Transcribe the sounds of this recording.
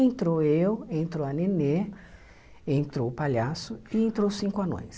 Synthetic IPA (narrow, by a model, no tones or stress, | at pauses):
ẽnt̪ɾoewẽnt̪ɾoɐnene | ẽnt̪ɾowpaʎasʊɪẽnt̪ɾowsĩŋkʊano̰js